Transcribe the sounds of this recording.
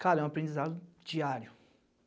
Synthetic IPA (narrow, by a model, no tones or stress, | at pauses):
kaɾɛw̃apɾẽnd͡ʒizad̪ʊd͡ʒiaɾjʊ